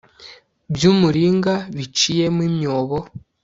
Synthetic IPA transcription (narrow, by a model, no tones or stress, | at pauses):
bjuːmuɾiːŋɡaβit͡ʃijemwimjoːβo